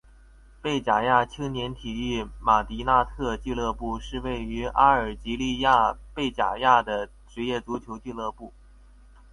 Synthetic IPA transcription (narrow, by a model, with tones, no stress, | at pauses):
pe˥˩ɪt͡ɕja˨˩ja˥˩t͡ɕʰi˥ŋnjɛ˧˥nt̪ʰi˨˩y˥˩ma˨˩t̪i˧˥na˥˧t̪ʰɤ˥˧t͡ɕi˥˧lɤ˥˧pu˥˧ʂɻ̩˥˧we˥˩ɪy˧˥ʔa˥ə˞˨˩t͡ɕi˧˥li˥˧ja˥˧pe˥˩ɪt͡ɕja̰˨˩ja˥˩d̪ə˩ | ʈ͡ʂɻ̩˧˥jɛ˥˩t͡su˧˥t͡ɕʰjo˧˥ʊt͡ɕi˥˧lɤ˥˧pu˥˩